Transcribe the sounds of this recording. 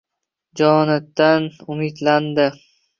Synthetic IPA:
d͡ʒɒnɪt̪ːanʊmɪd̪land̪ɪ

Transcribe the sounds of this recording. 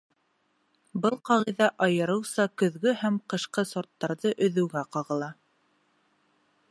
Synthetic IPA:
bɤlˠqɑʁiðæʔɑjɤ̆ɾɤ̆wsɑkɵ̆ðɡɵhæmqɤ̆ʃqɤsŏɾt̪ːɑɾðɤʔɵ̆ðɵ̆wɡæqɑʁɤ̆lˠɑ

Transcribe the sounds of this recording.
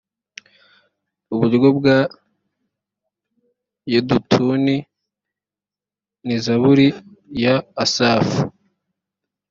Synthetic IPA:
uβuɾɡob̚ɡa | jedutʰuni | nizaβuɾijaːsaːfu

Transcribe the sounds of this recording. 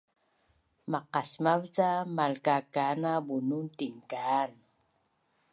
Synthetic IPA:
maqasmavt͡samalkakanabununtiŋkan

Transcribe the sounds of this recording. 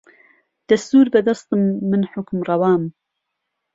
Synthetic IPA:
d̪̥ɐst̪uːɾbɐd̪ɐst̪ɨmːɨnħʊkmrɑwɑːm

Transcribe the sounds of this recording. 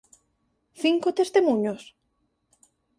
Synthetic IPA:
θiŋkot̪est̪emũɲos

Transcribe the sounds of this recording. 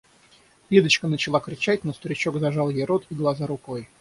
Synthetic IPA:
vʲed̪ət͡ɕkənət͡ɕɪlˠakɾʲɪt͡ɕætʲnost̪əɾʲɪt͡ɕo̞ɡzɐʐalˠjejɾo̞t̪iɡlˠazaɾʊkoj

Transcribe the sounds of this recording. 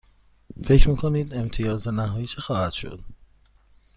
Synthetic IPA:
fe̞cʰɾmiːkʰo̞niːd̪e̞mt̪ʰijɒːzænæɦɒːjit͡ʃʰexɒːhæd̪̥ʃo̰d̪̥

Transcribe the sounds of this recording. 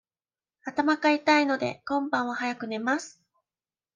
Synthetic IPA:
at̪amakait̪aino̞d̪e̞̰kõ̞mbãɰ̃βahajakɯ̟ne̞masɨ̥

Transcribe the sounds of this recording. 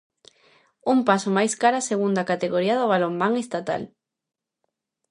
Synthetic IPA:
umpasomajskaɾaseɣund̪akat̪eɣoɾiaðoβ̞alommaŋest̪at̪a̰l

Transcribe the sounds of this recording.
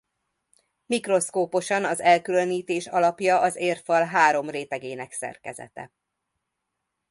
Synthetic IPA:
mikro̞skoːpo̞ʃɒnɒzɛlkyløniːt̪eːʃɒlɒpjɒʔɒzeːrfɒlɦaːɾo̞mreːt̪ɛɡeːnɛksɛ̰rkɛ̰zɛ̰t̪ɛ̰

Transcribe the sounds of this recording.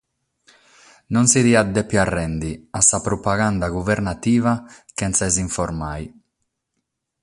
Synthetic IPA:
nɔnsiðiad̪ːɛpːjarːɛnd̪iasːapɾɔpaɣand̪aɡuvɛɾnat̪iːvakɛntsaɛziɱfɔɾmaj

